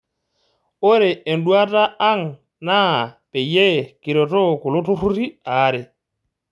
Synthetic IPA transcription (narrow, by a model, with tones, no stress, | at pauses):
o˦ɾɛː˨n̩du˦a˦tʼa˦a˦ŋ | na˦˨pɛ˨jɛ˦ki˨ɾɔ˨tɔ˦kʊ˨lʊ˦tu˦ɾu˦ɾi˦aː˨˦ɾɛ˨